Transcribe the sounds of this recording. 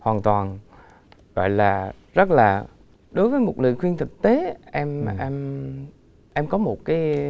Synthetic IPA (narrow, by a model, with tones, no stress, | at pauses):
hwaː˨˩nt̪waː˨˩n | ɣɔ̰˧˨jlaː˨˩ | zə˦˥t̚laː˨˩ | ɗo˨˦jvəː˨˦jmo˨˩t̚lɨ̰˧˨jxwi˧ənt̪ʰɨ˨˩k̚t̪e˨˦ʔɛ˧mʔɛ˧m | ʔɛ˧mkɔ˨˦mo˨˩t̚kaː˨˦j